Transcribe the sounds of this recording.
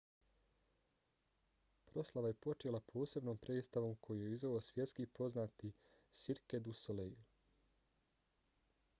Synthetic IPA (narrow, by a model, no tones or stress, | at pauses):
pɾo̞slaʋaje̞po̞t͡ʃelapʰo̞ːse̞bnoːmpɾe̞ist̪aʋo̞mkʰo̞jijeizʋeosʋje̞t̪skipo̞znaːt̪i | siɾked̪usoleju